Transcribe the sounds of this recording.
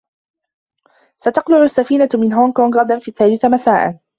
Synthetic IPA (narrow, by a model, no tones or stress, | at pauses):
sat̪ɑqlʊʕʊsːafiːnamɪnɦoːŋkoːŋɡɾɑd̪anfiːθːaːlɪθamasaːʔa̰n